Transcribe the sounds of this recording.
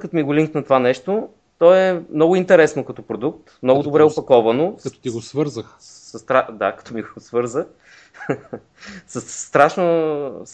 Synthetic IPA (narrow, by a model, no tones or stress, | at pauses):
kɐt̪omiɡoliŋknɐt̪ovanɛʃt̪o | t̪ɔɛmnɔɡʊint̪ɛɾɛsnokɐt̪ɔpɾod̪ukt̪mnɔɡʊd̪obɾɛopɐkɔvɐnokɐt̪ɔ̥t̪iɡosvɤɾzəx | sɐst̪ɾad̪akɐ̥t̪ʰɔmiɡoosvɤɾzə | səsːt̪ɾaʃnos